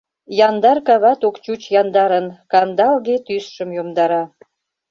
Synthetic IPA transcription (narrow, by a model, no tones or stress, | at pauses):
jɑnd̪ɑrkɑβɑt̪okt͡ɕut͡ɕjɑnd̪ɑɾənkɑnd̪ɑlɣet̪ysʃəmjomd̪ɑɾɑ